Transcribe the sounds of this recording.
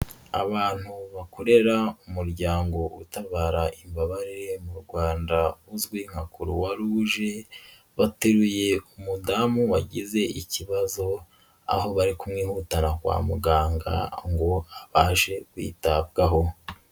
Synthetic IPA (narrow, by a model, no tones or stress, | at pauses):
a̰βaːn̥huβakʰo̞ɾe̞ɾaumuɾɟaːŋɡo̞utaβaːɾaʔimbaβaɾiɾe̞muɾɡwaːndauzɡwiŋ̥hakuɾuwaɾuːʒe̞ | βateɾuje̞umudamuwaɟize̞iciβazo̞ | a̰ɦo̞βaɾikumŋiːhuːtanakwa̰ːmuɡaːŋɡa̰ŋɡo̞aβaːʃe̞kwḭːtab̚ɡaɦo̞